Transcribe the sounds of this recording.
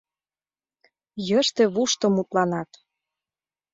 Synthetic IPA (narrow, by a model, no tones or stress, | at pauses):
jəʃt̪ĕβuʃt̪ɤ̆mut̪lɑnɑt̪